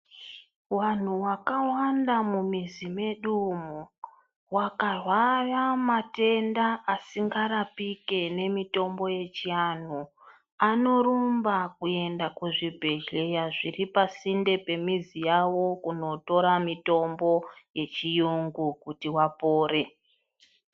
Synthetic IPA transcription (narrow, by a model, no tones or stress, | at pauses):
wan̤uwakawandamumizime̞ɗumu | wakarwaramate̞ndaʔːsiŋɡaɾapike̞ne̞mito̞mbo̞je̞t͡ʃian̤u | ano̞ɾumbakue̞ndakuʐibʱe̞ɮe̞jaʐiripasinde̞pe̞mizijawo̞kuno̞to̞ɾamito̞mbo̞je̞t͡ʃijuŋɡukutiwapo̞ːre̞